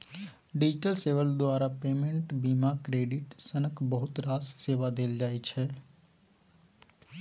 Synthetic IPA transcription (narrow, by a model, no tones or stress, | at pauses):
ɖid͡ʒiʈəlseʋəld̪ʋaɾapemeɳʈbimakɾeɖiʈsənəkbəɦʊt̪ɾasseʋad̪eld͡ʒajt͡ʃʰe